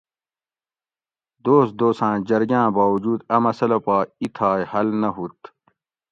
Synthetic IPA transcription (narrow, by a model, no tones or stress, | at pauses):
d̪oːsd̪oːsãːd͡ʑɐɾɡãːbaːwud͡ʑuːd̪ɐmɐsɐlɐpaːit̪ʰaːjhɐlnɐɦut̪